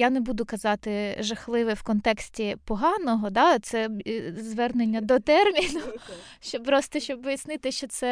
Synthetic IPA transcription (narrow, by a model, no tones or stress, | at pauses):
janɛbud̪ʊkɐzɑt̪ɪʒɐxlˠɪʋɪwkɔnt̪ɛksʲtʲipɔɦɑnɔɦɔd̪ɑt̪sɛzʋɛrnenʲːɐd̪ɔt̪ɛrmʲinʊ | ʃt͡ʃɔpɾɔst̪ɔʃt͡ʃɔbʋɪjɐsnɪt̪ɪʃt͡ʃɔt̪sɛ